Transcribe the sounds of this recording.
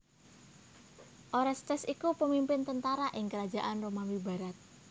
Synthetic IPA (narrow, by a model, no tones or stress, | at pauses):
ʔoɾast̪ɛsikupəmimpɪnt̪ənt̪aɾaʔɪŋkəɾad̥d͡ʒa̤ʔanromamiba̤ɾat̪̚